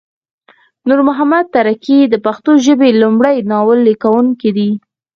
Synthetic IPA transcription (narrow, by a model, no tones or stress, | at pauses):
nuɾmʊɦamad̪̚t̪aɾakid̪əpaxt̪oʒəbelumɽəjnɑwəlːikawuŋkid̪i